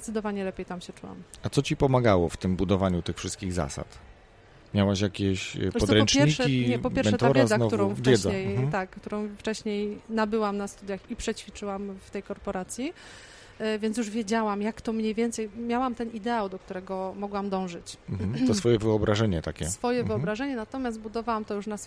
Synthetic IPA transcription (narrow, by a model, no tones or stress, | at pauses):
zɛt̪sɨd̪ɔvaɲɛlɛpʲjejt̪amɕɛt͡ʂuwa̰mat̪sɔt͡ɕipɔmaɡawɔft̪ɘmbud̪ɔvaɲut̪ɘxfʂɘst̪̚kʲiɣza̰sa̰t̪ | mʲjawaɕjakʲeɕpɔdt̪ɾɛɔt͡ʂɛɲɾiʂkʲiɛpɔpjɛɾmɛnʂɛt̪aɔɾvaɛzaknkɔvuɾɔ̃w̃fvʲɛzɛɲejt̪akːt̪uɾɔ̃w̃ft͡ʂɛɕɲejnabɘwamnast̪ud̪ʲjaxipʂɛt͡ɕfʲit͡ʂɘwamft̪ɛjkɔɾpɔɾat̪sʲji | vʲjɛnjuʐvʲjed͡ʑawamjakt̪ɔmɲejvʲjɛnt̪sɛjmʲjawamt̪ɛnid̪ɛawd̪ɔkt̪uɾɛɡɔmɔɡwamd̪ɔ̃w̃ʐɘt͡ɕm̩t̪ɔsfɔjɛvɘɔbɾaʐɛɲɛt̪akʲɛsfɔjɛɨɔbɾaʐɛɲɛnat̪ɔmʲjast̪̚bud̪ɔvawamt̪ɔjuʂnas